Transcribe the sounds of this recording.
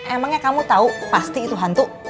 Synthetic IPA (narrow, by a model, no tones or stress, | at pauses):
ʔemaŋɲakamut̪aupast̪iːt̪uɦant̪uʔ